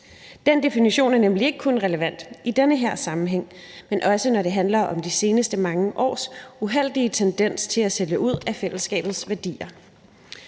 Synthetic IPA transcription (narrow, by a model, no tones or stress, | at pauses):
d̥end̥e̝finiɕo̝̰ːnæɐnemlie̝ɡ̥əkʰonʁɛləʋæn̰d̥id̥enəɦeɐ̰sɑ̈mm̩ɦeŋ̰menʔɒ̽sənɒɾe̝ɦænlɐʔɒ̽md̥ise̝ːnəsd̥əmɑ̈ŋəʔɒ̰ːsuɦel̰d̥iət͡sʰend̥en̰st͡sʰe̝læseljəʔuð̞̰ˠæfel̰əsɡ̥ɛ̰ːb̥ð̞̩ˠsʋæɐd̥ḭːɐ